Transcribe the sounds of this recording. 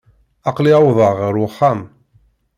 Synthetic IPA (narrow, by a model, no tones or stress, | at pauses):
ɑqliawðˤəʁəɾʊχːam